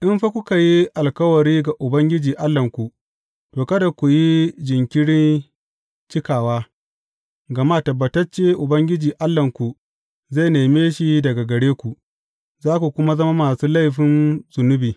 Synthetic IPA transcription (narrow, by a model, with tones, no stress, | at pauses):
ʔɪ˦mɸa˦kʷʊ˦ka˨ji˦ʔa˨lkɐ˦wɐ˨ɽiː˦ɡa˨ʔʊ˨bɐ˦ŋɡʲɪ˦d͡ʒiː˨ʔa˦lːɐ˨ŋkʷu˨ | toː˨kɐ˦da˨kʷu˨ji˦d͡ʒɪ˨ŋkʲɪ˦ɽɪ˦n | t͡ʃɪ˦kaː˨waː˦ | ɡɐ˨maː˦˨tɐ˨bːɐ˨tɐ˦t͡ʃeː˦ʔʊ˨bɐ˦ŋɡʲɪ˦d͡ʒiː˨ʔa˦lːɐ˨ŋkʷu˨ | za˦˨jneː˨meː˦ʃi˦dɐ˨ɡa˨ɡɐ˨ɽeː˦kʷu˨ʔ | zaː˦kʷu˨kʷʊ˦ma˦zɐ˦ma˦maː˨suː˦la˦jɸɪ˦nzʊ˨nʊ˦biː˨